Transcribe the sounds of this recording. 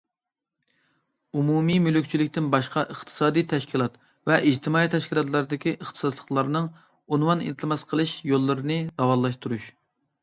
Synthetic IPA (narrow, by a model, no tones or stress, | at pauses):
umumimylykʲt͡ʃʰilɪkʲt̪ɪnbɑʃqʰɑʔəχt̪ʰɨ̥sɑːd̪ijt̪ʰɛʃkʲʰilˠɑt̪ | vɛʔid͡ʒt̪ʰɪmɑːit̪ʰɛʃkʲilˠɑt̪lˠɑɾɨd̪ɪkʲiʔəχt̪ʰɨ̥sɑd̪lˠəχlˠɑɾnɨŋ | unwɑnḭt̪ʰmɑsqʰəlˠɨʃjolˠːɨɾɨnɨd̪̥ɑwɑlˠɑʃt̪uɾuʃ